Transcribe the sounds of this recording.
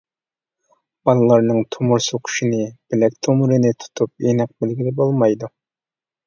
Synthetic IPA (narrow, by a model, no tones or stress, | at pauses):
b̥ɑlˠɨlˠɑɾnɨŋt̪ʰumuɾsoqʰʊ̥ʃinɪb̥ɪlɛk̚ʲt̪ʰomuɾɨnɪt̪ʰu̥t̪ʰup̚enɪq̚bɪlɡʲilɪbolˠmɑjd̪u